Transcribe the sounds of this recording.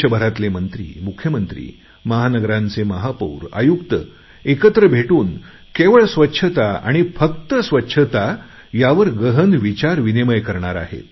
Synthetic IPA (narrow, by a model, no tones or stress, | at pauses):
əbʱəɾat̪lemənt̪ɾḭːmukʰjəmənt̪ɾḭː | məɦanəɡɾãnt͡seməɦapṵːɾa̰jukt̪ə | ekət̪ɾəbʱeʈuːn | keʋəɭsʋətːɕʰət̪aa̰ɽ̃ifək̚t̪əsʋətːɕʰət̪a | jaʋəɾɡəɦənʋit͡ɕaɾʋineməjkəɾɳaɾa̰ɦḛt̪